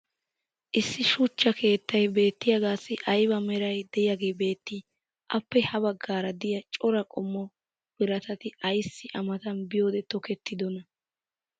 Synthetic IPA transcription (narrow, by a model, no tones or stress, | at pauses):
ʔɪsːɪʃʊt͡ʃːɐkʰe̞ːt̪ːɐjbe̞ːt̪ːɪjɐɡaːsːɪʔɐjbɐmɛɾɐjd̪ɛjaɡe̞ːbe̞ːt̪ːɪ | ʔɐpːɛhɐbɐɡːaːɾɐd̪ɪjɐt͡ʃʼɔɾɐkʼɔmːɔ | b̥ɪɾɐt̪ɐt̪ɪʔɐjsːɪʔɐmɐt̪ɐnbɪjo̞ːd̪ɛt̪ɔkɛt̪ːɪd̪ɔnɐ